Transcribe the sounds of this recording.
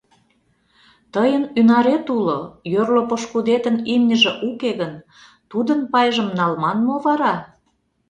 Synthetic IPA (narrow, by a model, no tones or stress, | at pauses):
t̪əjənynɑɾet̪ulojørlopoʃkud̪et̪ənimnʲəʒĕʔukeɣən | t̪ud̪ənpɑjʒə̆mnɑlmɑnmoβɑɾɑ